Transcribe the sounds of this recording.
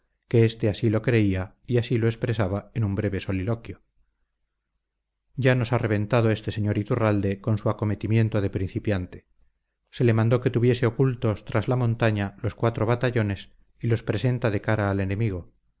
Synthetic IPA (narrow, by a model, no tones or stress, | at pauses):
ke̞est̪e̞asilo̞kɾe̞ia | iasilo̞espɾe̞saβaenumbɾe̞βe̞so̞lilo̞kjo | ɟ͡ʝano̞sare̞β̞ẽ̞nt̪að̞oe̞st̪e̞se̞ɲo̞ɾit̪urald̪e̞ko̞nsuako̞me̞t̪imjẽ̞nt̪oðe̞pɾĩn̟θipjant̪e̞̥ | se̞le̞mãnd̪o̞ke̞t̪uβje̞se̞okult̪o̞st̪ɾazlamõ̞nt̪aɲalo̞skwat̪ɾo̞β̞at̪aʎo̞ne̞s | ilo̞spɾe̞se̞nt̪aðe̞kaɾaːle̞ne̞miɣ̞o